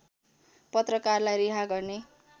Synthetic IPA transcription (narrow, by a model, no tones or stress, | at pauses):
pʌt̪rʌkarlajɾiɦaɡʌrne